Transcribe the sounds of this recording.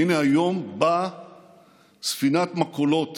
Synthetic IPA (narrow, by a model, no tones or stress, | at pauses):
ineajo̞mba | sfinat̪makolo̞t̪